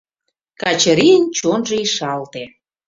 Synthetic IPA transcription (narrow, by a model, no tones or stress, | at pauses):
kɑt͡ɕə̆ɾiənt͡ɕonʒəiʃɑlt̪e